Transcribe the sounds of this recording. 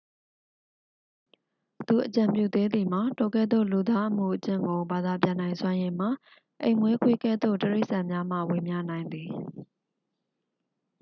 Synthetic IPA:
t̪u˨ʔət͡ɕã˨mpjṵ˦˨d̪e˦d̪i˨m̥a˨to˨kɛ˦˨d̪o̰˦˨lu˨d̪a˦ʔəm̥ṵ˦˨ʔət͡ɕɪ̰̃˦˨ŋɡo˨ba˨d̪a˨pjã˨nã˨ɪ̃swã˦jẽ˨m̥a˨ | ʔẽ˨ɪ̃mwe˦kʰwe˦kɛ̰˦˨d̪o̰˦˨təɹe˦ɪʔsã˨mja˦m̥ä̰˦˨we˨mja̰˦˨nã˨ɪ̃nd̪ði˨

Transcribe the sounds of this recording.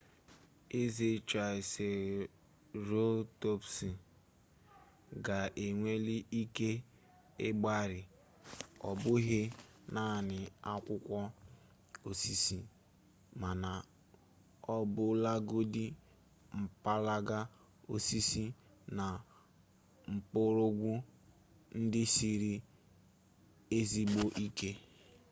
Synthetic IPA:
e˦ze˨t͡ʃa˨ɪ˨se˨ | ɾo˦to˦psi˨ | ɡa˨ʔe˨ŋʷe˦li˦ʔi˦ke˦ | ɪ˦ɡ͡ba˦ɾɪ˨ | ɔ̰˨bʊ˦ɦɪ˦ | na˦˨nɪ˨a˦kʷʊ˦kʷɔ˦ | o˨si˦si˦ | ma˨na˨ | ɔ˦bʊ˦la˦ɡo˦dɪ˦ | m̩˨pa˦la˦ɡa˦ | o˦si˦si˦ | na˨ | ŋ͡m̩˨pʊ˦ɾʊ˦ɡʷu˦ | n̩˦dɪ˦si˦ɾi˦ | e˦zi˦ɡ͡bo˦ʔi˦ke˦

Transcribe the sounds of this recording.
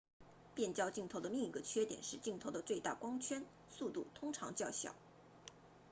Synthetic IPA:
pjɛ˥˩nt͡ɕjɑ˥˧ʊt͡ɕi˥˩ŋt̪ʰo˧˥ʊd̪ə˧li˥˧ŋi˧˥ɡə˧t͡ɕʰɥɛ˥t̪jɛ̰˨˩nʂɻ̩˥˧t͡ɕi˥˩ŋt̪ʰo˧˥ʊd̪ə˧t͡swe˥˧ɪt̪a̰˥˩kwɑ˥ŋt͡ɕʰɥɛ˥n | su˥˧t̪u˥˩t̪ʰʊ˥ŋʈ͡ʂʰɑ̰˧˥ŋt͡ɕjɑ˥˩ʊɕjɑ̰˨˩˦ʊ

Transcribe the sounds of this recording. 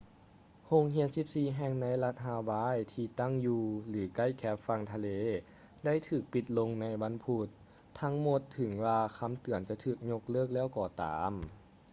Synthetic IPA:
ho˧ŋɦi˧˥ənsi˧˦p̚siː˧˩ɦɛː˧˩ŋna˧˥jla˧˥t̪̚ɦaː˧waː˧˥˨jt̪ʰiː˧t̪a˥˩˨ŋjuː˧lɯː˩˦ka˧˥˩jkʰɛː˧˦˥p̚fa˧ŋt̪ʰa˧leː˧˥ | da˥˩˨jt̪ʰɯː˨˩k̚pi˧˩t̪̚lo˧ŋna˧˥jwa˧˥˨npʰu˧˩t̪̚ʰː | a˧˦˥ŋmo˧˦t̪ʰːɯ˩˦ŋwaː˧kʰa˧˥˨mt̪ɯ˩ənt͡ɕa˧˩t̪ʰɯː˧˩k̚ɲo˧˥k̚lɤː˥˩k̚lɛː˥˩˨wkɔː˧˩t̪a̰ː˩˨˦m

